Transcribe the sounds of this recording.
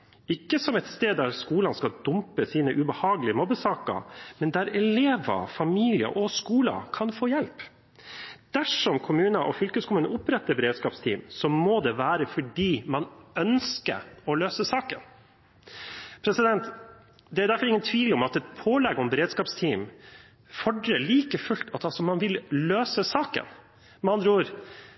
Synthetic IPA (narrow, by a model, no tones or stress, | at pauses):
ɪkːəsɔmɛt̪st̪eːd̪d̪æɾskuːlɑnskɑd̪ʊmpəsiːnəʔʉbəhɑːɡəlɪəmɔbəsɑːkɑ̰mɛnd̪æɾɛleːʋɑ̰fɑmiːlɪə̰ʔɔskuːlɑ̰kʰɑnfoːjɛlp | d̪̥æʂɔmkʰʊmʉːnəʔɔfʏlkəskʰʊmʉːnəʊpɾɛt̪ːəɾbɛɾeːd̪skɑːpst̪ʰiːmsɔmod̪ɛʋæːɾəfɔɖiːmɑnœnskə̰ɔløːsəsɑːkə̰n | pʰɾɛsɪd̪ɛnt̪ | d̪ɛæɾdæɾfɔɾɪŋːənt̪ʰʋiːlɔmɑt̪ɛt̪pʰoːlɛɡɔmbɛɾeːd̪skɑːpst̪ʰiːm | fɔɖɾəɭiːkəfʉlt̪ʰɑt̪ɑsɔmɑnʋɪlːøːsəsɑːkə̰n | mɑnd̪ɾuːɾ